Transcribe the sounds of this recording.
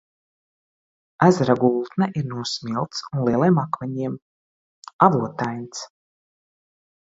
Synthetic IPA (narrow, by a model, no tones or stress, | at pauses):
æzɾaɡulˠt̪nɛʔiɾnuɔsmʲilˠt̪sunlˠiɛlˠejmakvɛɲiɛm | avuɔt̪ajnʲt̪s